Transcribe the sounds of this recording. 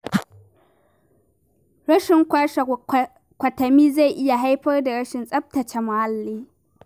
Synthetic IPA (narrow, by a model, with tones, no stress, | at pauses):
ɾɐ˦ʃɪ˨ŋkʷaː˦ʃ | kʷɐ˨tɐ˨miː˦za˦˨ʔɪ˦ja˨ɦa˦jɸɐ˦rda˨ɾɐ˦ʃɪ˨nsʼɐ˦b̚tɐ˨t͡ʃe˦mʊ˨ha˦lːiː˦